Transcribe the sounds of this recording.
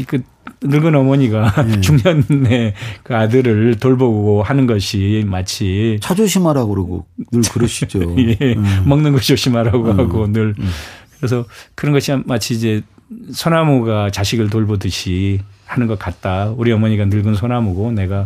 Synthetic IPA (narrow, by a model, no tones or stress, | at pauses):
kɯ | nɯɭɡɯnʌmʌɲiɡat͡ɕuŋɲʌnːe̞kɯadɯɾɯɭtoɭboɡohanɯnɡʌɕʰimat͡ɕʰit͡ɕʰad͡ʑoɕʰimaɾaɡoɾaɡo̰nɯɭkɯɾʌɕʰid͡ʑojemʌŋnɯnɡʌɕʰioɕʰimaɾaɡoɦaɡonɯɭkɯɾes̬ʰʌkɯɾʌnɡʌɕʰimat͡ɕʰiːd͡ʑe̞ | sʰonamoɡat͡ɕaɕʰiɡɯɭt̬oɭbodɯɕʰihanɯnɡʌt̚k͈at̚t͈auɾiʌmʌɲiɡanɯɭɡɯnsʰonamoɡone̞ɡa